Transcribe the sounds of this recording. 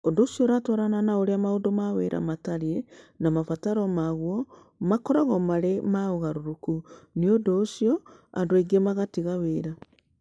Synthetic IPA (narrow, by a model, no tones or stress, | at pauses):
ondoːsjoɾatɔɾananaoɾeamaodomaweɾʔa̰mataɾienamafataɾɔmaɣwɔ | makɔɾɔɣɔmaɾemaoɣaɾoɾokuniodoːsijɔa̰ndoeɡemaɣatiɣaweːɾa